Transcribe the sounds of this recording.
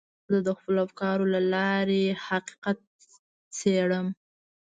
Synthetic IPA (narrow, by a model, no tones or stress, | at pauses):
d̪əd̪əxpəlafkɑɾolalɑɾehaqi̥qat̪̚ | t͡seɽəm